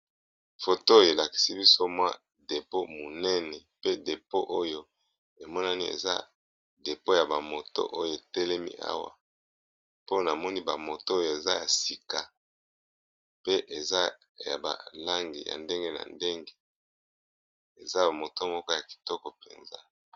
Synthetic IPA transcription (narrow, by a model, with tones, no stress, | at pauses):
fo˨to˦je˨la˨ki̥˨si˦bi˦so˦mwa̰˦ | de˨po˦mo˨nɛ˦nɛ˨pe˦de˨po˦ʔo˦jo˦ | e˨mɔ˦na˦ni˦ḛ˨za̰˦ | de˨po˦ja˨ba˨mo˨to̰˦ʔo˦jo˨e˨tɛ˦lɛ˦mḭ˦ʔa̰˦wa̰˨ | po˦na˨mɔ˦ni˦ba˨mo˨to˦o˦jo˨e˨za˦ja˨si˨ka˨ | pe˦ʔe˨za˦ | ja̰˨ba̰˨la˦ŋɡḭ˨ja̰˨nde˦ŋɡe˦na̰˨nde˦ŋɡe˦ | e˨za˦a˨mo˨to˦mɔ˦kɔ˦ja˨ki̥˨tɔ˦kɔ˨pḛ˨nza˦